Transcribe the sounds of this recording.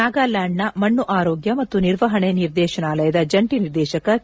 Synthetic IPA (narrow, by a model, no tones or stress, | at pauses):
aːɡaːlaːɳːɐmɐɳːuʔaːɾoːɡjɐmɐt̪ːuniɾʋɐɦɐɳeniɾd̪ɛːʃɐnaːlɐjɐd̪ɐd͡ʒɐɳʈiniɾd̪ɛːʃɐkɐ